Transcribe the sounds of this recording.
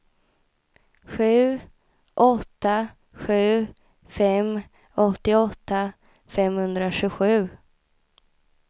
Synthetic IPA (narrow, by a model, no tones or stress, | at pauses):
ɧʉ̟ː | ʔɔt̪ːa | ɧʉ̟ː | fɛm | ɔt̪ːɪɔt̪ʰːa | fɛmhɵnd̪ɾaɕɵɧʉ̟ː